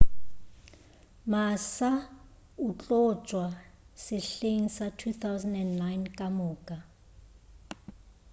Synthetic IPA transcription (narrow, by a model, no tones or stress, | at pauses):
masa | ut͡ɬʼɔ̥t͡ʃʼwasɪɬeŋ̩satʰuθawzɛndɛndnajnkʼamʊːkʼa